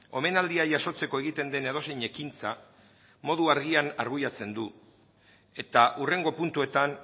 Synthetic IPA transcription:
o̞me̞nald̪iaʝaso̞t͡se̞ko̞e̞ɣit̪e̞nd̪e̞ne̞ð̞o̞se̞jɲe̞kint͡sa | mo̞ð̞uaɾɣiana̰ɾɣujat͡se̞nd̪u | e̞t̪aʔure̞ŋɡo̞punt̪ue̞t̪an

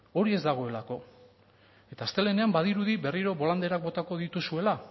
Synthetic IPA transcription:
o̞ɾie̞zd̪aɣ̞o̞e̞lako̞ | e̞t̪aːst̪e̞le̞ne̞ambað̞iɾuðiβe̞riɾo̞βo̞land̪e̞ɾak̚bo̞t̪ako̞ðit̪usue̞la

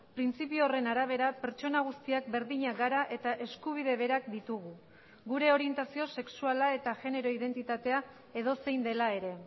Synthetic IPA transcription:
pɾint͡sipiore̞naɾaβ̞e̞ɾape̞ɾt͡ʃo̞naɣ̞ust̪iak̚be̞ɾðiɲaɣaɾaʔe̞t̪aʔe̞skuβ̞ið̞e̞β̞e̞ɾakd̪it̪uɣ̞u | ɡuɾe̞o̞ɾie̞nt̪asio̞se̞ksualae̞t̪aʝe̞ne̞ɾo̞ið̞e̞nt̪it̪at̪e̞a | e̞ðo̞se̞jnd̪e̞lae̞ɾe̞

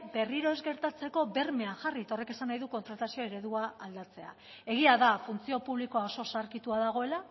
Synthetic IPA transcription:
be̞riɾo̞e̞zɡe̞ɾt̪at͡se̞ko̞be̞rme̞aŋxarit̪ao̞re̞ke̞sanːajðuko̞nt̪ɾat̪asioe̞ɾe̞ðuaːld̪at͡se̞a̰ | e̞ɣ̞iaðafunt͡sio̞puβliko̞ao̞so̞saɾkit̪uaðaɣ̞o̞e̞la

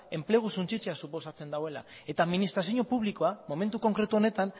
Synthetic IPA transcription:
e̞mple̞ɣ̞usunt͡ʃit͡se̞asupo̞sat͡se̞nd̪awe̞la̰ | e̞t̪amːinist̪ɾasioɲo̞puβliko̞amo̞me̞nt̪uko̞ŋkɾe̞t̪uo̞ne̞t̪an

